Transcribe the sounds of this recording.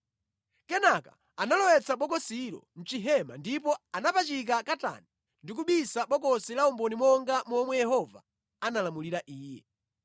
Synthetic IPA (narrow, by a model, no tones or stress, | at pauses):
kɛnaka | analɔwɛt͡saɓɔkɔsiɾɔ̰n̩t͡ʃiɦɛma̰ndip̬ɔanapat͡ʃik̬akata̰ni | ndikuɓisaɓɔkɔsilaumbɔnimwɔŋɡamɔmwɛjɛhɔva̰ | analamuliɾaʔiːjɛ̰